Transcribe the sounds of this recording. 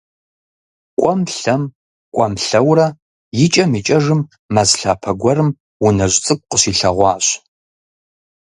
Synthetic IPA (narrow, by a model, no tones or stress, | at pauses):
kʷʼɔmɬɐm | kʷʼɔmɬɐwrɐ | jɪt͡ʃʼɐmit͡ʃʼɐʐɨmː | azɬaːpʰɐɡʷɔrɨm | wʊnɐʑʷʼt͡sʼɨk̚ʷʼqəɕiːɬɐʁʷɑːɕ